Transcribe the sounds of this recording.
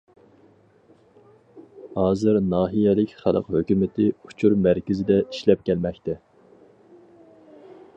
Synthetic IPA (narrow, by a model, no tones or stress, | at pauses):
hɑːzɨɾnɑːɦijɛlɪkʲχælˠə̰qhøkʲymɪt̪ʰɪu̥t͡ʃʰuɾmæɾkʲɪzɪd̪ɛiʃlɛp̚kʲɛlmɛkʲt̪ɛ